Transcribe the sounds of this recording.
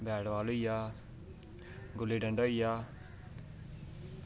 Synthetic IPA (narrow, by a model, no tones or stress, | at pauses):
bɛːɽʋaːloːijaː | ɡʊliːɖəɳɖaːijaː